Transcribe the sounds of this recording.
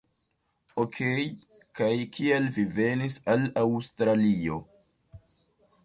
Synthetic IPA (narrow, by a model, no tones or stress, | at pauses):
okʰej | kajkʰialvive̞nisalawstɾalio̞